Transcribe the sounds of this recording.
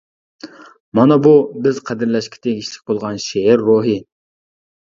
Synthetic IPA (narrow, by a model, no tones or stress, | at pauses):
mɑnɛbubɪzqʰæd̪ɪɾlɛʃkʲi̥t̪ʰeɡʲiʃlɪ̥k̚ʲbolˠʁɑnʃeɛɾːoɦi